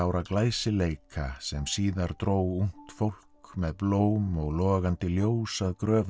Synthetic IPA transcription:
awɾaklaːjsɪleːjkʰasɛmsiːðaɾ̥t̪ɾoːwun̥t̪fowl̥kmɛðploːwmɔɣlɔːɣant̪ɪljoːwsaðkɾœːv

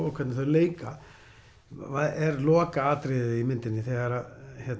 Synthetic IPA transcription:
ɔkʰvɛt̪nɪθaðɾleːjka | aɛɾlɔːkaaːt̪ɾɪðimɪnt̪ɪnːɪθɛɣaɾaðçjɛt̪

